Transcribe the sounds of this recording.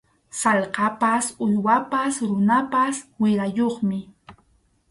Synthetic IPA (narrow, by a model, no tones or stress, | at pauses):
salqɑpasʊjwapasɾʊnapaswɪɾajoχmɪ